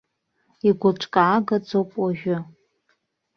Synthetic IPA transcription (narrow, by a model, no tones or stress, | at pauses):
iɡʷʊt͡ʃʷʼkʼaːɡad͡zowpʼwaʒᶣʊ